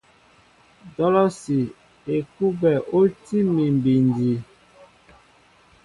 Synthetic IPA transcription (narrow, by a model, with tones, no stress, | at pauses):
dɔ˦lɔ˦si˨ | e˨ku˦bɛ˨ʔo˦ti˦mi˨mbi˨ndi˨